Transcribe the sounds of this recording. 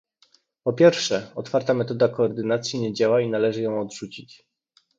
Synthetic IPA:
pɔpʲjɛɾfʂɛɔt̪faɾt̪amɛt̪ɔd̪akɔːɾd̪ɘnat̪sʲjiɲɛd͡ʑawainalɛʐɘjɔ̃w̃ɔd̪ʐut͡ɕit͡ɕ

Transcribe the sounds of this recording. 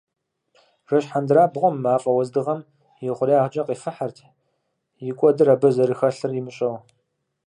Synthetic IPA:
ʒ̥ʷɐɕħandraːbʁʷɔmːaːfʼɐwɔzdɨʁɐm | jɪʁʷʊriaːʁd͡ʒɐqʼiːfɐħartʰ | jɪkʷʼɔdɨrabɐzɐɾɨxɐɬɨrjimɨɕʼɐw

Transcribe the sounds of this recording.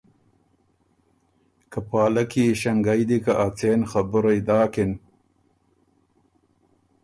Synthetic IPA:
kapɑːlakiʃaŋɡajd̪ikaʔat͡seːnxabʊɾajd̪ɑːkɪn

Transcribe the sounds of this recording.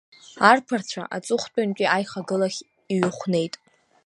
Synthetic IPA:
arpʰart͡ɕʷʰa̰ʔat͡sʼʊχʷtʼant͡ʃʲʷʼiajχaɡɨlaχʲ | iɥʊχʷne̞jtʼ

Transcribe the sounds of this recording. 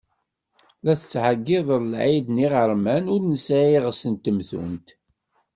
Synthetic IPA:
læθət͡sːʕəɡːɪðˤəɾlʕid̪niʁəɾˤmænʊɾnəsæjiʁsənt̪ːəmθṵnt̪

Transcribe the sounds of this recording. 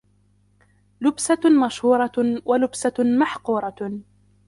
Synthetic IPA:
lʊbsamaʃhuːɾˤɑwʔalʊbsamaħquːɾˤɑ

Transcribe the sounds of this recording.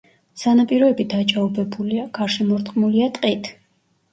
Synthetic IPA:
z̥anapʼiɾɔɛbid̪at͡ʃʼaubɛbuliaɡ̥aɾʃɛmɔɾt̪ʼχqʼmuliat̪ʼqʼit̪ʰ

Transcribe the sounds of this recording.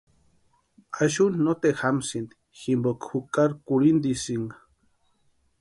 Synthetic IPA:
aʃunːot̪examsind̪i̥ | ximbokxukʼaɾkuɾind̪isiŋɡa

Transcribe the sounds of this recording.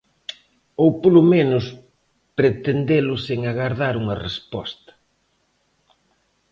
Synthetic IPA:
owpolʊmenʊs | pɾet̪end̪elʊseŋaɣaɾðaɾuŋɐrespɔst̪ɐ̥

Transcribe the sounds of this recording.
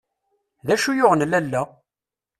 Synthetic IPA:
ðæʃujoʁnlælːæ

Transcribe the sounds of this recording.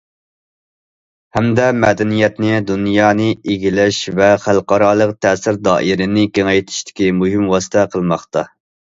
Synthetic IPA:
hɛmd̪ɛmɛd̪ɛnijɛt̪nɪd̪unjɑːnɨeɡʲilɛʃvɛχælˠqɑɾɑːlˠəqt̪ʰɛsɪɾd̪ɑ̰ːʔiɾɪnɪkʲeŋɛjt̪ʰɪ̥ʃt̪ʰɪ̥kʲimuɦɪmwɑːsɨ̥t̪ʰɛqʰəlˠmɑχt̪ɑ

